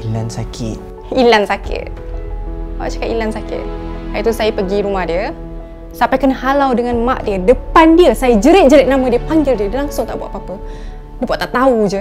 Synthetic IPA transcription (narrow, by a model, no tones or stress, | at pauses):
ilansakʰɪ̰t̪̚ | ilansakɪ̰t̪̚ | a̰t͡ʃḁkaʔilansakɪ̰t̪̚hajət̪usajəpəɡiɾumahdiə | sampajkənəhalawdəŋanmaʔdiədəpandiəsajəd͡ʒəɾɪt̪̚d͡ʒəɾɪt̪̚namədiəpaŋɡɪldiədəlaŋsʊŋt̪a̰ʔbua̰ʔpapə | diəbuaʔt̪aʔt̪aud͡ʒə